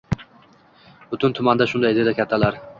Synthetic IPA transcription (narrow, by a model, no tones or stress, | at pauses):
bʊt̪ʰɪnt̪ʰʊmand̪aʃʊnd̪ajd̪ɪd̪akʲʰat̪ʰːalaɾ